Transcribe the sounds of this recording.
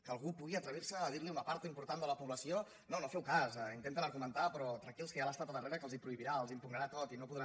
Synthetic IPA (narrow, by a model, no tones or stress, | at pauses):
kəlˠɣupuɣiət̪ɾəβ̞iɾsəːðiɾliunəpaɾt̪əimpuɾt̪and̪ələpuβləsio | nonofɛwkasɛint̪ent̪ənəɾɣumənt̪apɾɔt̪ɾakilˠskəjalast̪at̪əðəreɾəkəlˠzipɾuiβiɾaəlˠzimpuɣɾəɾat̪ot̪inopuðɾa